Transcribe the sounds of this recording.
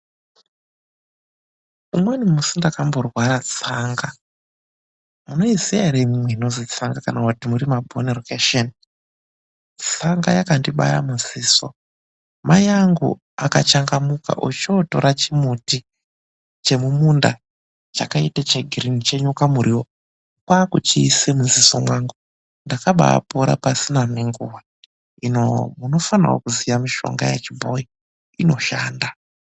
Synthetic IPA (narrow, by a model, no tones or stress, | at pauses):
umwenimusindakambo̞rwaɾat͡saŋɡa | muno̞iziaɾemimweinozit͡saŋɡakanakutimuɾimabʱonerokeʃen | t͡saŋɡajakandiɓa̰ja̰muziːso̰ | majaŋɡṵ | akat͡ʃaŋɡamuka̰ʔo̰t͡ʃoto̰ɾat͡ʃimuti | t͡ʃe̞mumunda | t͡ʃakaitat͡ʃeɡʱirinit͡ʃe̞ɲukamuɾiwo | kwaːkut͡ʃiːsemuzisomwaŋɡu | ndakaɓa̰a̰poɾa̰pasinamiŋɡuwa | inomuno̞fanarwo̰kuzijamiʃo̞̰ŋɡa̰jet͡ʃibʱo̞i | ino̞ʃaːnda